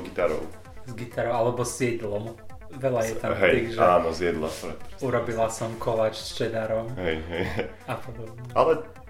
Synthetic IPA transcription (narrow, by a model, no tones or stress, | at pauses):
ɡit̪aɾɔ̰ʊ | zɡit̪aɾɔʊalɛbɔsɪjɛd̪lɔm | ʋɛlajɛt̪aɦɛj̪iʒaːnɔzjɛd̪la̰pɔɾɛt̪uɾɔbilasɔmkʰɔʋat͡ʃst͡ʃɛd̪aɾɔmɦɛjɦɛj | apɔd̪ɔbɲɛalɛ